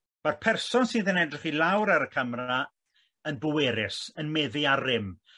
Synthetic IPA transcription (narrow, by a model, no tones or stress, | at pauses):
m̥arpʰɛrsɔnsɪðənɛdrɪχilˠawɾaɾəkʰəmra | ənbʊwɛɾɪsənmɛðɪarɪm